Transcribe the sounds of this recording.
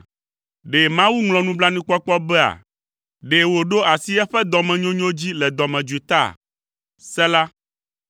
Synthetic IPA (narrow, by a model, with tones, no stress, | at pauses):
ɖe˨mã˦wu˦ŋlɔ̃˨nũ˦bla˦nĩ˦k͡pɔ˦k͡pɔ˦bɛ˦a̰˨ | ɖe˨wo˨ɖo˦a˨si˦ɛ˦ɸɛ˦d̪ɔ˨mɛ̃˨ɲõ˦ɲõ˦d͡ʑi˦lɛ˨d̪ɔ˨mɛ̃˨d͡ʒu˨i˨t̪a̰˦˨ | sɛ˦la˦